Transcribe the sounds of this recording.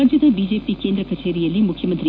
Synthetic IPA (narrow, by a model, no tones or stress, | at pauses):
ɐɲd͡ʒɐd̪ɐbid͡ʒeːpikeːnd̪ɾɐkɐt͡ʃeːɾijɐlːimukʰjɐmɐnt̪ɾi